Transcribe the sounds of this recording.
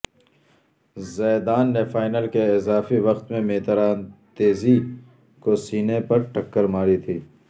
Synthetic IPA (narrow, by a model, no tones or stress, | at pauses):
zɛːd̪aːnːefaːɪnəlkeɪzaːfiʋɐxt̪mẽmeːt̪əɾaːnt̪eːzi | kosiːnepɐɾʈɐkːəɾmaːɾit̪ʰiː